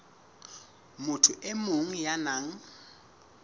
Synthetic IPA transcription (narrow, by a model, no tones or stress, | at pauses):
mʊtʰʊʔemoŋ̩janaːŋ̩